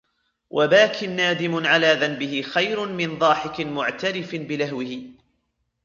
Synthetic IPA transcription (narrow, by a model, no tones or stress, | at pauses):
wʔabaːkʰɪnːaːd̪ɪmʊʕalaːðanbɪhɪxajɾʊmɪnðˤɑːħɪkɪmʊʕt̪aɾɪfbɪlahwɪhɪ